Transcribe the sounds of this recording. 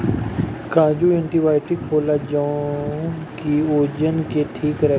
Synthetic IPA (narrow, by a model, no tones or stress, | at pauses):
kãːd͡ʒuẽɳʈibaːɪʈɪkɦoːlad͡ʒã | kioːd͡ʒənkeʈʰiːkɾɛ